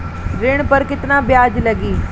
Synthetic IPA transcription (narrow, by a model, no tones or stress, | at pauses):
ɾɪɽ̃pɐɾkɪt̪naːbjaːd͡ʒlɐɡiː